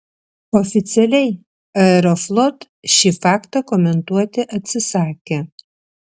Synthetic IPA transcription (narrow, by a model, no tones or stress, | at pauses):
ɔfʲɪt̪sʲɛlʲɛɪ | ɐɛɾɔflˠɔt̪ | ʃʲiːfɑːkt̪ɐkɔmʲɛnt̪uɔt̪ʲɪʔɐt̪ʲsʲɪsɑːkʲe